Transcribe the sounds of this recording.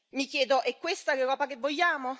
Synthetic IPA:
mikjɛːd̪oʔɛkːwest̪akerɾɔːpakevːoʎːaːmo

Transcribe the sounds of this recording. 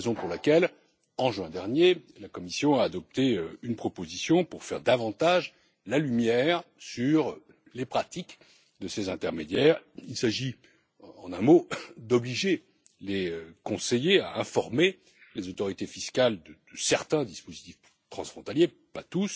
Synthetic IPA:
ezɔ̃puʁlakʲɛl | ɑ̃ʒɥɛ̃d̪ɛʁnjelakɔmisjɔ̃aːd̪ɔp̚t̪eøynpχɔpozisjɔ̃puʁfɛʁd̪avɑ̃t̪aʒ | lalymjɛʁsyʁ | lepχat̪ik | d̪əsezɛ̃t̪ɛʁmed̪jɛːʁilsaʒi | ɑ̃nɛ̃mod̪ɔbliʒe | leøkɔ̃sejeaɛ̃fɔʁme | lezot̪ɔʁit̪efiskald̪əd̪̥əsɛʁt̪ɛ̃d̪ispozit̪if | t̪χɑ̃sfχɔ̃t̪alje | pat̪us

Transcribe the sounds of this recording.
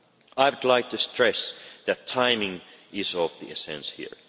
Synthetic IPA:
aɪwədˡlaɪk̚tʰɨstʰɹ̥ɛsðætʰːãɪ̃mɪ̃ŋɪzʌvðiɛsɛ̰̃nshḭɹ

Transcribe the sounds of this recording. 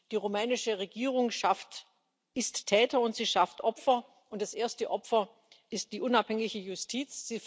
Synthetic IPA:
d̥iːʁomɛːnɪʃəʁeɡiːʁ̞ʊŋʃaft | ɪsttʰːɛːtɐʊntz̥iːʃaftʔɔpfɐ | ʔʊntd̥asʔeːɐstəʔɔpfɐ | ʔɪst̚d̥iːʔʊnaphɛŋɪçəjʊstʰiːt͡sz̥iː

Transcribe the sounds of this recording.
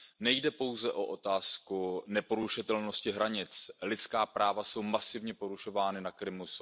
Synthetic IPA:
nɛjdɛpo̞wzɛʔo̞ʔot̪aːskunɛpo̞ɾuʃɪt̪ɛlno̞scɪɦɾaɲɪt͡slɪt͡skaːpɾaːvaso̞wmasɪvɲɛpo̞ɾuʃo̞vaːnɪnakɾɪmus

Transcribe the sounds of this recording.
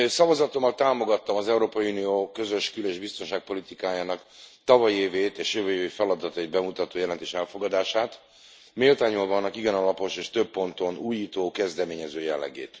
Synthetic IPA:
sɒvɒzɒt̪o̞mːɒlt̪aːmo̞ɡɒt̪ːɒmɒzɛuɾoːpɒjiuːnijoːkø̞zø̞ʃkyleːʒbist̪o̞nʃaːk̚po̞lit̪ikaːjaːnɒk | t̪ɒvɒjeːveːt̪eːʃøːvøvefɛlɒd̪ɒt̪ɒid̪̚bɛmut̪ɒt̪oːjɛlɛnt̪eːʃɛlfo̞ɡɒd̪aːʃaːt̪ | meːlt̪aːɲolvɒnːɒkiɡɛnɒlɒpo̞ʃeːʃt̪øpːo̞nt̪o̞nuːjiːt̪oːkɛzd̪ɛmeːɲɛzøːjɛlːɛ̰ɡḛːt̪

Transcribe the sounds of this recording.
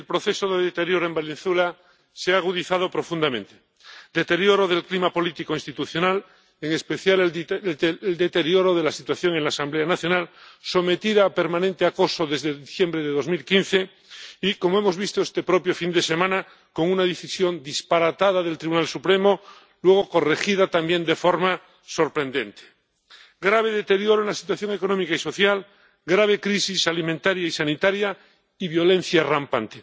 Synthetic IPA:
elpɾo̞θe̞soðeðet̪eɾjo̞ɾoe̞mbelinθwela | seaːɣ̞uðiθað̞o̞pɾo̞fũnd̪amẽ̞nt̪e̥ | d̪et̪e̞ɾjoɾo̞ð̞e̞lklimapo̞lit̪ikoinst̪it̪uθjo̞nal | eŋe̞spe̞θjal | eld̪e̞t̪e̞ɾjo̞ɾo̞ð̞e̞lasit̪waθjo̞ŋe̞nlaːsambleanaθjo̞nalso̞me̞t̪iðaːpe̞ɾmãnẽnt̪eako̞so̞ðe̞zðe̞ðiθje̞mbɾe̞ðeðo̞zmilkin̟θe̞ | iko̞moemo̞zβist̪oest̪e̞pɾo̞pjo̞find̪e̞se̞mãna | ko̞ŋunaðiθisjo̞nd̪ispaɾat̪að̞aðe̞lt̪ɾiβunalsupɾe̞mo̞ | lwe̞ɣ̞o̞ko̞re̞xiðat̪ambje̞nd̪efo̞ɾma | so̞ɾpɾẽ̞nd̪ẽ̞nt̪e̥ | ɡɾaβ̞e̞ðe̞t̪e̞ɾjo̞ɾoenlasi̥t̪waθjo̞ŋe̞konõ̞mikaiso̞θjal | ɡɾaβ̞e̞kɾisisalimẽnt̪aɾjaisanit̪aɾja | iβjo̞lẽ̞nθjarampant̪e

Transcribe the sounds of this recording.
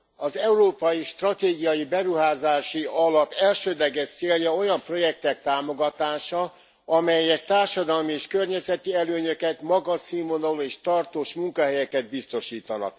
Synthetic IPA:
ɒzɛuɾoːpɒjiʃt̪rɒt̪eːɡijɒjibɛɾuɦaːzaːʃiɒlɒpɛlʃøːd̪lɛɡɛt̪seːljɒo̞jɒmpro̞jɛk̚t̪ɛk̚t̪aːmo̞ɡɒt̪aːʃɒ | ɒmɛjɛk̚t̪aːrʃɒd̪ɒlmieːʃkørɲɛzɛt̪iɛløːɲø̞kɛt̪mɒɡɒsimonoleːʃt̪ɒrt̪oːʃmuŋkɒɦɛjɛkɛd̪̚bist̪o̞ʃiːt̪ɒnɒ̰k

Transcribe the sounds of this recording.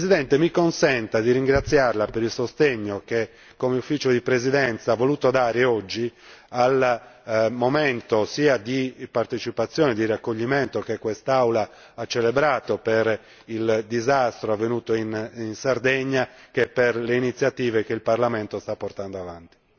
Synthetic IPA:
zid̪ɛnt̪emikonsɛnt̪ad̪irɾiŋɡɾat̪sːjarlapeɾilsost̪eɲːoke | kːomeufːiːt͡ʃod̪ipɾezid̪ɛnt̪saːvːoluːt̪od̪aːɾeɔd͡ʒːial | momɛnt̪osiːad̪ipart̪et͡ʃipat̪sːjɔːned̪irakːoʎːimɛnt̪okekːwest̪awla | at͡ʃːelebɾaːt̪opeɾ | ild̪izast̪ɾoavːenuːt̪oininsard̪eɲːakeperleinit̪sːjat̪iːvek̟eilparlamɛnt̪ost̪apːort̪and̪oavant̪i

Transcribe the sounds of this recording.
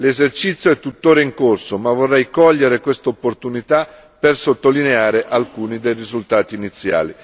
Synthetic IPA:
lezert͡ʃit̪sːjoɛt̪ːut̪ːoːɾaiŋkorsomavorːɛjkɔʎːeɾekwest̪opːort̪unit̪a | persot̪ːolineaːɾeʔalkuːnid̪ejrizult̪aːt̪iːnit̪sːja̰ːli

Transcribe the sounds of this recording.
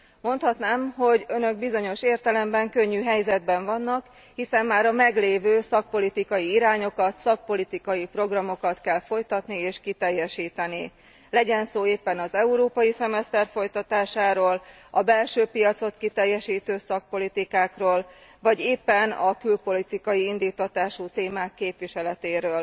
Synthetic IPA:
mo̞nt̪hɒt̪naːmɦo̞ɟø̞nø̞ɡ̚bizo̞ɲo̞ʃeːrt̪ɛlɛmbɛŋkø̞ɲːyːɦɛjzɛd̪bɛɱvɒnːɒk | hisɛmːaːɾɒmɛɡleːvøːsɒk̚po̞lit̪ikɒjiiɾaːɲo̞kɒt̪sɒk̚po̞lit̪ikɒjipro̞ɡrɒmo̞kɒt̪kɛlfo̞jt̪ɒt̪nieːʃkit̪ɛjːɛʃiːt̪ɛni | lɛɟɛnsoːeːpːɛnɒzɛuɾoːpɒjisɛmɛst̪ɛrfo̞jt̪ɒt̪aːʃaːɾoːl | ɒbɛlʃøːpijɒt̪so̞t̪kit̪ɛjːɛʃiːt̪øːsɒk̚po̞lit̪ikaːkroːlvɒɟeːpːɛnɒkylpo̞lit̪ikɒjiind̪iːt̪ːɒt̪aːʃut̪eːmaːkːeːpʋiʃɛlɛt̪eːɾøːl

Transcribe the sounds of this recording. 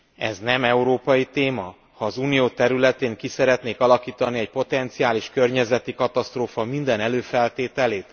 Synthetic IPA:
ɛ̰znɛmɛuɾoːpɒjit̪eːmɒ | hɒːzuːnijoːt̪ɛɾylɛt̪eːŋkisɛɾɛt̪neːkɒlɒkiːt̪ɒniɛc̚po̞t̪ɛnt̪siaːliʃkørɲɛzɛt̪ikɒt̪ɒst̪roːfɒmind̪ɛnɛløːfɛlt̪eːt̪ɛleːt̪

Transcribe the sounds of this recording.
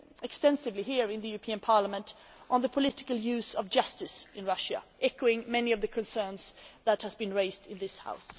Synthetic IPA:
ɛkstɛ̃nsɨvliɦiɹɨ̃nðɨjʉɹəpʰĩɨ̃npʰɑɹləmə̃nt | ʔn̩ðəpʰəlɪɾɪ̥kəl̩ˠjʉzʌvd͡ʒʌstɨsɨ̃nɹʌʃɨ̰ʔɛkoʊɪ̃ŋmɛniʌvðɨkʰɨ̃nsɜ̃˞nz̥ðət̚həzbɨ̃nɹeɪzdɪ̃nðɪsha̰ʊs

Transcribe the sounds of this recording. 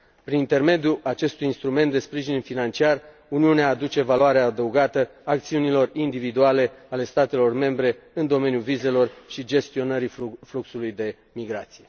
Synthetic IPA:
pɾinint̪e̞rme̞d̪juat͡ʃe̞st̪ujinst̪ɾume̞nt̪d̪e̞spɾiʒinfinant͡ʃiar | uniuneaːd̪ut͡ʃe̞valuaɾeaːd̪əuɡat̪əak̚t̪siunilo̞rind̪ivid̪uale̞ale̞st̪at̪e̞lo̞rme̞mbɾe̞ɨnd̪o̞me̞njuvize̞lo̞rʃid͡ʒe̞st̪io̞nəɾifluksulujd̪e̞ | miɡɾat̪sije̞

